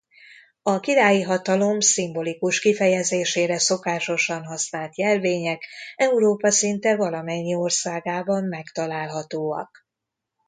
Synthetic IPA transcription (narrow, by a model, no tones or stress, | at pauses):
ɒkiɾaːjiɦɒt̪ɒlo̞msimbo̞likuʃkifɛjɛzeːʃeːɾɛso̞kaːʃo̞ʃɒnɦɒsnaːlt̪jɛrveːɲɛkɛuɾoːpɒsint̪ɛvɒlɒmɛɲːio̞rsaːɡaːbɒmːɛkt̪ɒlaːlɦɒt̪oːɒ̰k